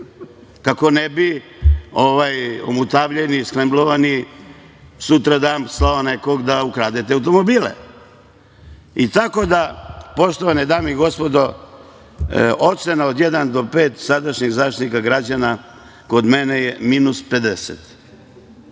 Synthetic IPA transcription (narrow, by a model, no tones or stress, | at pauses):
kako̞nebi | oʋajo̰mut̪aːʋʎenisklembloʋani | sut̪ɾad̪aːmslaoneko̞ɡd̪aukɾaːd̪et̪ɛawt̪o̞mo̞biːlḛ | it̪ako̞d̪apo̞ʃt̪oʋanid̪aːmeiɡo̞spo̞d̪o | o̞senaod̪jed̪and̪o̞peːt̪sad̪aʃɲeɣzaːt̪nikaɡɾad͡ʑana | ko̞d̪menejeminuspe̞d̪eset̪